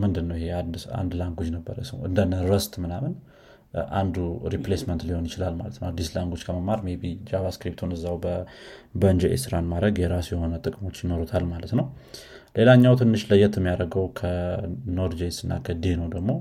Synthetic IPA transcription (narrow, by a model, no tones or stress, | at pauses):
mɨnd̪ɨnːəwihe̞ad̪a̰nd̪laŋɡud͡ʒnəbːə̰ɾjɛ̰sə̰wɨ̰nd̪ənːəɾəst̪mɨnamɨn | ʔa̰nd̪uɾiplesmənt̪liho̞njɪt͡ʃɪlalmalət̪nəwad̪ːislaŋɡot͡ʃːkʰəməmːaɾmebid͡ʒaβaskɾip̚t̪ʰunɨzːawbəbənd͡ʒeʔḛsɨɾanmad̪ɾəɡjɛɾasujɛho̞nət̪ʼɨkʼɨmo̞t͡ʃːjɪno̞ɾut̪ʰalmalət̪nəw | le̞laɲːawt̪ʰɨnːɨʃləjɛt̪ʰɛmːijaɾəɡəwkʰəno̞ɾd͡ʒesɨnːa̰kʰəd̪enəwd̪əɡmo̞